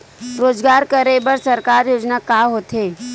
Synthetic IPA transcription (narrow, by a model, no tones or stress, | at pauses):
ɾoːd͡ʒɡaːɾkɐɾebəɾsɐɾkaːɾjoːd͡ʒnakaːɦoːt̪ɦeː